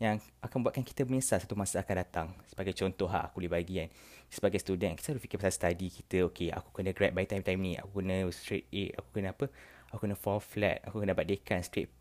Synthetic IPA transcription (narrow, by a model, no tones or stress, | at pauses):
jaŋʔakanməbuat̪̚kanki̥t̪əbəmĩsasat̪umãsaakandat̪aŋsə̥baɡajt͡ʃɔnt̪ɔɦa̰ʔakulibaɡian | səbaɡajst̪udɛnaki̥t̪asɾufikɪpasalst̪adikit̪əokea̰ku̥kənə̃ɡɾɛt̚bajt̪ajmt̪ajmnĩʔa̰kukənə̃st̪ɾet̪̚eʔaku̥kənə̃apə | akukənəfɔflɛ̰t̪̚a̰kukənə̃baʔ̚dekanst̪ɾet̪̚p